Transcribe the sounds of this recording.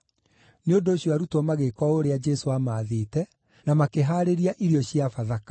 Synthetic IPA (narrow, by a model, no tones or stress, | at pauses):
neondoːɕjɔaɾutɔmaɣekɔoɾead͡ʒɛsoamaːðeːtɛ | namakeɦaːɾeɾiaʔiɾiɔɕjafaðakḁ